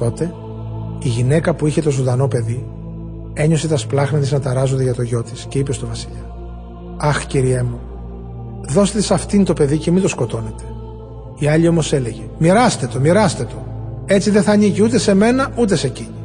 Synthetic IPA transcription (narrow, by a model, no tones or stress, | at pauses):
t̪o̞t̪e̞ | iʝine̞kɐpuiçe̞t̪o̞zond̪ɐno̞pe̞ði | e̞ɲo̞se̞t̪ɐsplɐxnɐt̪iznɐt̪ɐɾɐzod̪eʝɐt̪o̞ʝo̞t̪isce̞ipe̞st̪ovɐsiʎɐ | ɐxciɾiemu | ðo̞set̪esɐft̪int̪o̞pe̞ðice̞mind̪osko̞t̪o̞ne̞t̪e̞̥ | iɐʎio̞mo̞se̞le̞ʝe̞miɾɐst̪e̞t̪o̞miɾɐst̪e̞t̪o̞ | e̞t͡siðeθɐniʝiut̪e̞se̞me̞nɐʔut̪e̞se̞ci